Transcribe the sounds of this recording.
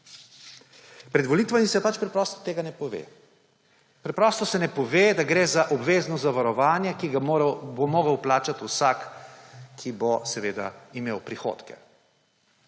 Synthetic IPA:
pɾɛd̪ʋɔlit̪ʋamisɛpat͡ʃpɾɛpɾɔːst̪ɔ̥t̪eːɡanɛpɔʋḛː | pɾɛpɾɔːst̪ɔsɛnɛpɔʋeːd̪aɡɾeːzaʔɔbʋeːznɔzaʋaɾɔʋaːnjɛkiɡabomoːɡəwplaːt͡ʃat̪usak | kʰːibosɛʋeːd̪a̰imeːwpɾixo̰ːt̪kɛ̰

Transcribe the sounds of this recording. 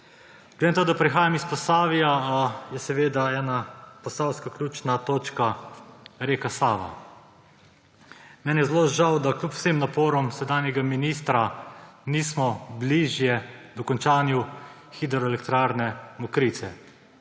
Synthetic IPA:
ɡ̥led̪enat̪aɡoːd̪apɾixaːjamispɔsaːʋijajɛsɛʋeːd̪aɛːnapɔsaːwskaklʲuːt͡ʃnat̪oːt͡ʃka | ɾeːkasaːʋa̰ | mɛːnjɛzloʒawd̪aklʲjupw̥semnapoːɾɔmsɛd̪aːnjɛɡaminist̪ɾaniːsmɔbliʒjɛd̪ɔkɔnt͡ʃaːnju | xid̪ɛɾɔelɛkt̪ɾaːɾnɛmɔkɾit̪sɛ

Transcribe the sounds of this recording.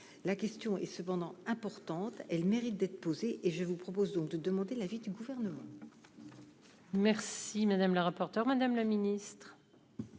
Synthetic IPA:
lakʲɛst̪jɔ̃ɛsəpɑ̃d̪ɑ̃ɛ̃pɔʁt̪ɑ̃t̪ɛlmeʁit̪̚d̪ɛt̪χəpozeʔeʒəvupχɔpozd̪ɔ̃k̚d̪əd̪əmɑ̃d̪elavid̪yɡuvɛʁnəmɑ̰̃ | mɛʁsimad̪amləʁapɔʁt̪œʁmad̪amlaminist̪χ

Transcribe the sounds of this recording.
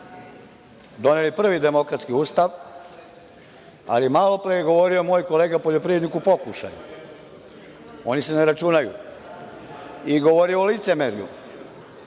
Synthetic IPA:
d̪o̞nelipr̩ʋid̪e̞mo̞kɾat̪skiuːst̪aʋ | a̰limaːlo̞pɾejeɡo̞ʋo̞ɾiomo̞jko̞leːɡapo̞ʎo̞pɾienikupo̞kuʃa̰jṵ | o̞niseneɾat͡ʃunajṵ | iɡo̞ʋo̞ɾioolit̪se̞meɾiṵ

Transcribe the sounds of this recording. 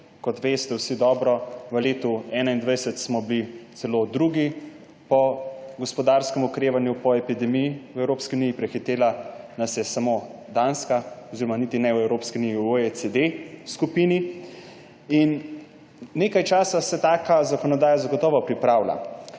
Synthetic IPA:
kɔt̪ʋest̪ɛwsid̪ɔːbɾɔʋəleːt̪uɛːnaind̪ʋajsɛt̪smɔbilit̪sɛlod̪ɾuɡi | pɔɡɔspɔd̪aɾskɛmukɾeːʋanjupɔɛpid̪ɛmijiwɛwɾoːpskiuniːjipɾɛxit̪eːlanɐsjɛsamod̪anskaɔziɾɔmanit̪inɛwɛwɾoːpskiunijiwoesed̪eskupini | inː | eːkajt͡ʃaːsasɛt̪aːkazakɔnɔd̪aːjazaɡɔt̪ɔːʋɔpɾipɾaːwla̰

